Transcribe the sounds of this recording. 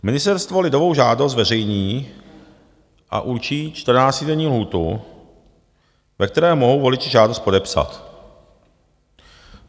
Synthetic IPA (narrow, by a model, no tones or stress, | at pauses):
mɪnɪst̪ɛɾst̪vo̞lɪdovowʒaːdost̪vɛrɛjɲiː | ʔa̰ʔuɾt͡ʃiːt͡ʃt̪r̩naːt͡sc̪ɪdɛɲiːlɦuːt̪u | vɛkt̪ɛɾɛːmoɦowvo̞lɪt͡ʃɪʒaːdost̪po̞dɛpsa̰t̪